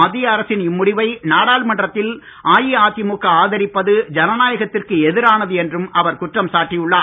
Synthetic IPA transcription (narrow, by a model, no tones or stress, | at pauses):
ɐðːɪjɐːɾɐsɪnɪmːʊɽɪʋɐɪnaːɽaːlmɐɳɖrɐt̪ːɪl | ʔaːjiaːt̪ɪmʊkːɐaːðɐɾɪpːɐðɯd͡ʒɐnɐnaːjɐɣɐt̪ːɪrkɯɛðɪɾaːnɐðɯɛndrɯmʔɐʋɐɾkʊʈrɐmsaːʈːijɯɭːaː